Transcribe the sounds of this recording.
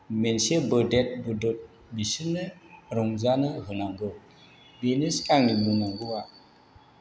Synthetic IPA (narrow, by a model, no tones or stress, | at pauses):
mensebɯdet̚bɯdɔt̚ | bisinɯɾɔŋzanɯɦɯnaŋɡɯ | beneskaŋnimunɔŋɡɯwa